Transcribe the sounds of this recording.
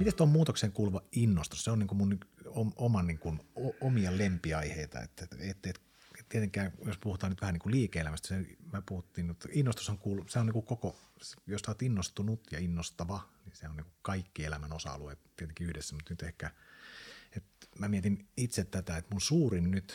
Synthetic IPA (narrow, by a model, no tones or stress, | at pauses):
mit̪æst̪ommuːt̪okseːŋkuːluʋɑinːost̪usseonniːŋkumunomomɑniːŋkunoomiɑlempiɑiheit̪ɑ̰ḛt̪ːæeet̪ːeiet̪ | et̪iet̪eŋkæːjospuhut̪ˑɑːnyt̪ʋæhæniːŋkuliːkeelæmæst̪æ̥senmøpuhut̪ːiːnmut̪inːost̪usɑŋkuːluseoniːkukoko | sjossɑːt̪inːost̪unut̪jɑinːost̪ɑʋɑnisehæoniːŋkukɑikːielæmænosɑ̰ɑ̰luet̪t̪ːiet̪eŋkiyhdesːæmut̪nyt̪ehkæ | et̪mæmiet̪init̪set̪t̪æt̪æet̪munsuːrinnyt̪